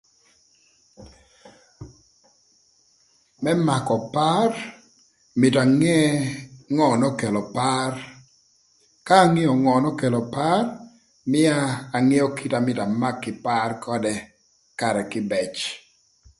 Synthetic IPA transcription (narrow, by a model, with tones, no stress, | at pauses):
mɛ˦ma˨kɔ˨pa˦r | mɪ˨ta˨ŋɛ˦ | ŋɔ˨nɔ˦ke˨lɔ˨pa˦r | kaː˦ŋɛ˦ɔ˨ŋɔ˨nɔ˦ke˨lɔ˨pa˦r | mɪ˦aː˦˨ŋɛ˦ɔ˦ki˦ta˨mɪ˨ta˨ma˦kːɪ˨pa˦rkʰɔ˦dɛ˦ | ka˨ɾɛ˨kɪ˦bɛ˨t͡ʃ